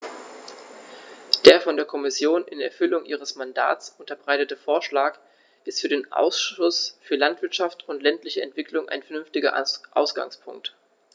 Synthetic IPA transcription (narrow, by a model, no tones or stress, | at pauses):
d̥eːɐfɔndeːɐkʰɔmɪsjoːnʔɪnɛ̰ɐfʏlʊŋʔḭːʁ̞əsmanda̰ːt͡sʔʊntɐbʁaɪtətəfoːɐʃlaːk | ʔɪstfyːɐɾeːnʔa̰ʊsʃʊsfyːɐlantv̥ɪɐtʃaftʊntlɛntlɪçəɛ̰ntv̥ɪklʊŋʔa̰ɪnfɛɐnʏnftɪɡɐ̰ʔa̰ʊsɡ̥a̰ŋspʰʊ̰ŋk̚t